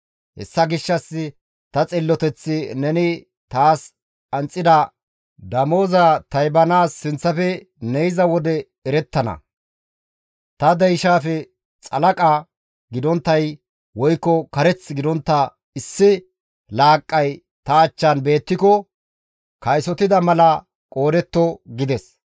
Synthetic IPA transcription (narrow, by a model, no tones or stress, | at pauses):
hɛ̰sːɐɡɪʃːɐsːɪ | t̪ɐt͡sʼɪlːɔt̪ɛt͡sːɪnɛnɪ | t̪aːs | ɐnt͡sʼːɪd̪ɐ | d̪ɐmo̞ːzɐt̪ɐjbɐnaːsːɪnt͡sːɐfɛ | nɛjzɐwɔd̪ɛ | ɛɾɛt̪ːɐnɐ̰ | t̪ɐd̪ɐjʃaːfɛ | t͡sʼɐlɐkʼa | ɡɪd̪ɔnt̪ːɐj | wɔjkːɔkɐɾɛt͡sɡɪd̪ɔnt̪ːɐ | ɪsːɪ | laːkʼːɐj | t̪ɐːt͡ʃːanbe̞ːt̪ːɪkɔ | kɐjsɔt̪ɪd̪ɐmɐlɐ | kʼo̞ːd̪ɛt̪ːɔɡɪd̪ɛs